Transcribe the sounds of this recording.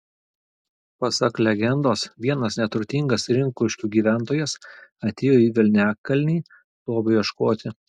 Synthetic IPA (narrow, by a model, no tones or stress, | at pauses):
pɐsɐklʲɛɡʲɛnd̪oːsʋʲiɛnɐsnʲɛt̪ʊɾʲt̪ʲiŋɡɐsɾʲɪŋkʊʃʲkʲuːɡʲiːʋʲæˑnt̪oːjɛsɐt̪ʲeːjoːiːʋʲɪlʲnʲæːkkːɐlʲnʲiː | t̪uɔbɐjʲiʃkoːt̪ʲɪ